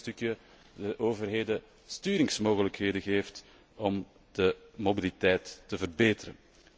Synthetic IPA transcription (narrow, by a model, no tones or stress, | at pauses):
tykjə | dəʔoːvərɦeːdə | styːɾɪŋsmoːɣələkɦeːdəɣeːft | ɔm | d̥əmobilitɛjtːəvərbeːtəɾə̰n